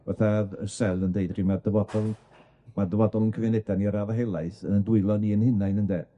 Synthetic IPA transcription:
vaθaðəsɛlˠəndeɨdr̥imadəvɔdɔlˠ | madəvɔdɔlˠənkʰəvɛnɛdaniɾavəɦejlˠaɨθənəndʊɨlˠɔniənhɪnajnəndɛ

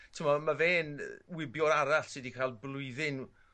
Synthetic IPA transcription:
tʰəmɔmaveːnwɪbjɔɾaɾaɬsɨdikʰalˠblˠʊɨðɪn

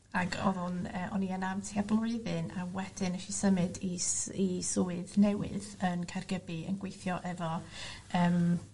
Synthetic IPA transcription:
aɡɔ̰ðʊnəʔɔ̰niənamtʰiːablˠʊɨðɨnawɛd̥ɪnəʃisəmɨdiisʊːɨðnɛwɪ̰ðənkʰarɡəbiə̰nɡwejθjɔʔɛvɔəːm

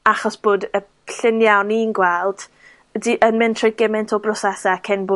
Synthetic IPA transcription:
aχɔsb̥oːdəpʰɬɪnjawninɡwɛlˠd̥ | ədiʔənmɪntʰrɔjɡɛmɛntʰɔbrɔsɛsakʰɛnboː

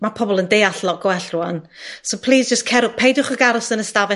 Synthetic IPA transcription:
mapʰɔbɔlˠəndejaɬlˠɔʔɡ̥wɛɬruan | sowpʰl̥ˠiːsd͡ʒəskʰɛɾʊpʰejdʊχəɡaɾʊsənəstavɛ

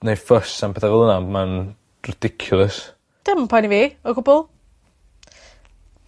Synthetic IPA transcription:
nejfəsampʰɛθavɛlˠənaman | rɪd̥ɪkʰjʊlˠəs | d̥ɪmənpʰɔjniviːɔɡʊbɔlˠ

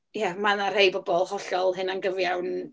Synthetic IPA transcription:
jɛmanar̥hejbɔbɔlˠhɔɬɔlˠɦɨnanɡəvjawn

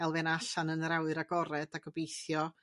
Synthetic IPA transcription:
ɛlˠvɛnaɬanənɾawɨɾaɡɔɾɛdaɡɔbejθjɔ

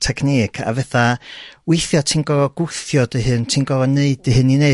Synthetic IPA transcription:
tʰɛɡnɪɡʰa̰vɛθawɪθjɔtʰinɡ̥ɔvɔɡ̥ʊθjɔdəɦɨntʰinɡ̥ɔvɔneɨdəɦɨnine

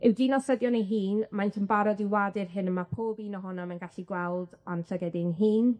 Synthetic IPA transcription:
ɪwdinɔsədjɔnejɦiːnmajntʰəmbaɾɔdɪwadɪrɦɨnəmapʰoːbiːnɔɦʊnamanɡaɬiɡwɛlˠdɔnɬəɡɛdɪnɦiːn

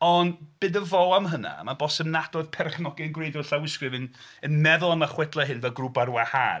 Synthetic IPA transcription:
ɔnb̥ɨːdəvɔamɦəna̰mabɔsɛmnadɔðpʰɛrχnɔɡɪənɡwejdɔɬawɪskrɨvɨnənmɛðʊlˠamaχwɛdlˠaɦɨnvɛlˠɡrubarwaha̰ː

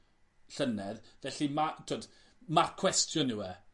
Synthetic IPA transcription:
ɬənɛðvɛɬimatʰoːd | makʰwɛstʰjɔnɪwɛ

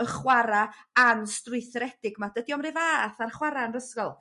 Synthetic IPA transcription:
əχwaɾa | anstrʊjθrɛd̥ɪɡmadədiɔmrɨvaːθarχwaɾanrəskɔlˠ

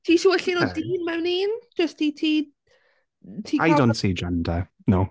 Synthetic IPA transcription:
tʰiːʃuːəɬɪnɔdiːnmɛwniːnd͡ʒəstʰiːtʰiː | tʰiːajdontsiːd͡ʒɛnda | now

